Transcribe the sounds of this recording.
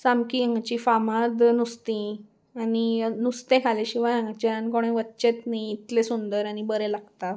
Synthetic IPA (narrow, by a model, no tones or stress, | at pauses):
samkiãŋɡt͡ɕifamad̪nust̪ĩ | aninust̪ẽkʰaleɕiʋajãŋɡt͡ɕaankoɽ̃ẽʋətːt͡ɕet̪niit̪lesund̪əɾanibəɾelaɡt̪a